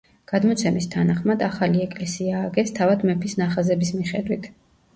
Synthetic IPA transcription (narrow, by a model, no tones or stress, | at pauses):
ɡ̥ad̪mɔt̪sʰɛmist̪ʰanaχmad̪aχaliɛkʼlɛsiaːɡɛst̪ʰavad̪mɛpʰisnaχazɛbismiχɛd̪wit̪ʰ